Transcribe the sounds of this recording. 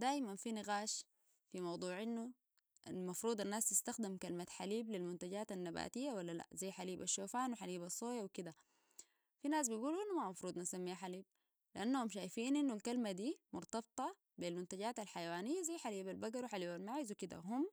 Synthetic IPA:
d̪aːʔimanfinɪɣaːʃ | fimɑwd̪ˤuːʕʔinːu | ʔalmɑfɾuːd̪ˤanːaːst̪ɪst̪axd̪imkalmat̪ħaliːblilmunt̪aɟaːt̪anːaba̰ːt̪ijːawalːala̰ʔzajːħaliːbaʃːoːfaːnwiħaliːbɑsˤːoːjawikid̪a | finaːs̬bijɡuːluʔinːumamɑfɾˤuːd̪ˤnasamːiːħaliːb̚ | liʔanːahumʃ̬aːjfiːnʔinːulkalmad̪iːmʊɾˤt̪ɑb̚t̪ˤɑ | bilmunt̪aɟaːt̪alħajawaːnijːazajːħaliːbalbaɡɑɾwiħaliːbalmaʕizwikid̪a̰ɦum

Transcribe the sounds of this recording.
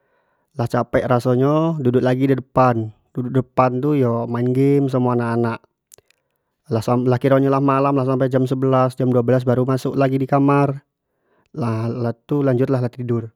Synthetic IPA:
laht͡ʃapɛʔrasɔɲɔdudʊʔ̚laɡidədəpan | dudʊk̚dəpant̪ujɔmainɡɪms̬əmuanaʔanaʔ | asalahkiɾɔɲɔlahmalamlahs̬ampajd͡ʒamsəbəlasd͡ʒamduabəlas̬baɾumasʊʔlaɡidikamar | lalat̪ulaɲd͡ʒʊt̪laɦlaht̪it̪idʊr

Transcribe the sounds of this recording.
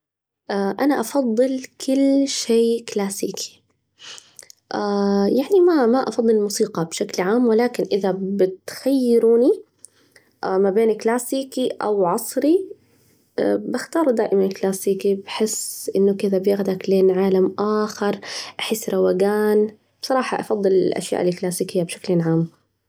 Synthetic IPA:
ʔaʔanaʔɑfɑðˤːɨlkʰʊlːʃeːklaːsiːkʰi̥ | ʔajaʕnimamaʔɑ̰fɑd̪ˤːɨlmuːsiːqɑbʃaklʕaːmwɪlaːkɪnʔɪðabɪt̪xajːɪɾuːni | ʔmabeːnklaːsiːkiʔa̰wʕɑsˤɾi | bɪxt̪ɑːɾˤd̪aːʔɪmanɪlklaːsiːkibħɪsʔɪnːʊkɪðabjɪɣd̪akleːnʕaːlamʔaːxɑɾˤʔaħɪsːɾˤɑwaɡaːn | b̥sˤɑɾˤɑːħɑʔɑfɑðˤːɨlɪlʔa̰ʃja̰ːʔɪlklaːsiːkɪjːabʃḁklɪʕaːm

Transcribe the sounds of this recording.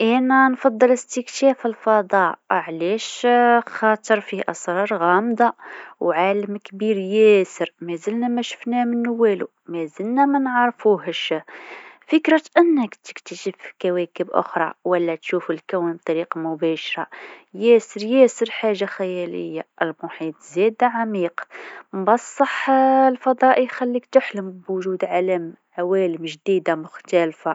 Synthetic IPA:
ʔænænfɑd̪ˤːələst̪əktæfəlfɑd̪ˤɑʕlæʃxɑt̪ˤəɾˤfiʔɑsˤɾˤɑɾˤɣæmd̪ɑwʕaləmkbiɾjæsəɾmæzəlnæmæʃə̥fnæmənːwælṵ | mæzəlnæmænʕɑɾˤfuhəʃ | fəkɾət̪ʔənːəkt̪ə̥kt̪əʃəfkæwækəbʔʊ̰xɾˤɑ̰wəlːæt̪ʃufəlkæwnb̚t̪ˤɑɾiqɑmʊbæʃɾˤɑjæsəɾjæsəɾħaʒːaxæjælə̰jːaʔəlmʊħit̪ˤzæd̪aʕamiqmbɑsˤːɑħlfɑd̪ˤɑʔijxælːikt̪ʊħləmbwʊʒud̪ʕaləm | ʕawæləmʒd̪id̪amʊxt̪ælfa

